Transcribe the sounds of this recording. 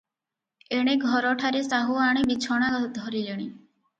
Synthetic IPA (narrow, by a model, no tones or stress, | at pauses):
eɽ̃eɡʱɔɾɔʈʰaɾesaɦuaɽ̃ibit͡ʃʰɔɽ̃ad̪ʱɔɾiliɽ̃i